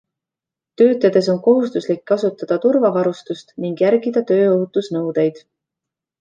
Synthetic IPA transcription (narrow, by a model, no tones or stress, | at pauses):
t̪ø̞ːt̪ˑːed̪̥e̞so̞nko̞ɦust̪uslikːɑsut̪ːˑɑd̪̥ɑt̪urvɑvɑɾust̪ust̪niŋɡ̥jæɾɡid̪̥ɑt̪ø̞ːoɦut̪ːˑusnɤwd̪̥e̞jd̪̥